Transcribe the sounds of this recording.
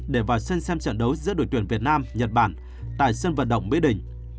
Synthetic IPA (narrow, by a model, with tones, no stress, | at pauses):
ɗe˧˩vaː˨˩wsə˧nsɛ˧mt͡ɕə̰˧˨nɗə˨˦wzɨ̰˧˥əɗo˧˩jt̪wi˧˩ənvi˨˩ət̚naː˧mɲə˨˩t̚ɓaː˧˩n | t̪a̰ː˧˨jsə˧nvə̰˧˨nɗə̰˧˨wŋ͡mɓḭ˧˥ɗï˧˩ŋ̟